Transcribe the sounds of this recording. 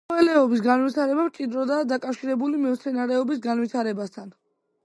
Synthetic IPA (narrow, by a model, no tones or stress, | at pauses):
ɛlɛɔbis̬ɡanwit̪ʰaɾɛbamt͡ʃʼid̪ɾɔd̪aːd̪akʼafʃiɾɛbulimɛt̪sʰɛnaɾɛɔbisɡanvit̪ʰaɾɛbast̪ʰan